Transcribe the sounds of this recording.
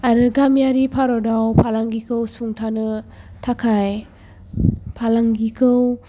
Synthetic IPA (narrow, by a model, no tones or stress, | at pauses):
aɾɯɡamjaɾipʰaɾɔdawpʰalaŋɡikʰɯwsuŋtʰanɯtʰakʰaj | pʰalaŋɡikʰɯw